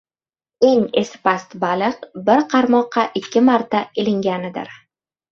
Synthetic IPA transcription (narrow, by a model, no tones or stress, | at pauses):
e̞ŋe̞sɪ̥past̪balɨqbɪɾqʰɑɾmɒqʰːɑʔɪkʲʰːɪmaɾt̪aelɪŋɡʲanɪd̪ɪ̰ɾ